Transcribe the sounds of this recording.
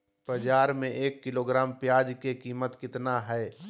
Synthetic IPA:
pɾəd͡ʒaːɾmẽʔeːkːɪloːɡɾaːmpjaːd͡ʒkekiːmət̪kɪt̪naɦɛː

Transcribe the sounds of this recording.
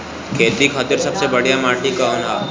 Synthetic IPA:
kʰeːt̪ɾikʰaːt̪əɾsɐbsebɐɽ̤ijamaːʈikaʊnaː

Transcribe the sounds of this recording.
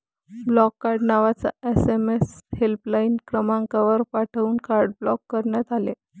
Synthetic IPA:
blɔkːaɾɖnaʋat͡sa̰esemeshelplainkɾəmaŋkaʋəɾpaʈʰəuːnkaɾɖ̚blɔkːəɾɳjat̪ale

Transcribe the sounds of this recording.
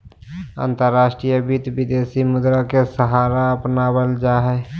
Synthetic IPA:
ə̰̃nt̪əɾːaːʃʈɾijəbit̪bid̪eːsimʊd̪ɾakesəɦaːɾaəpnabəld͡ʒaɦɛ

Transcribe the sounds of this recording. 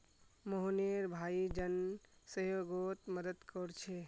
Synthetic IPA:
moɦoneɾbʱaid͡ʒənsəɦjoɡot̪məd̪əd̪kɔɾt͡ʃʰe

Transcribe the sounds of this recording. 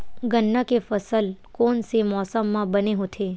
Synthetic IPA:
ɡənːəkefəsəlkonsemɔsəmːãbəneɦõt̪ʰe

